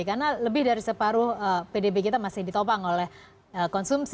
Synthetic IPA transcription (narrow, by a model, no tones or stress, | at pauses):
karnaləbɪhdaɾisəpaɾʊhəpedebekit̪amasɪhdit̪opaŋolɛh | əkɔnsums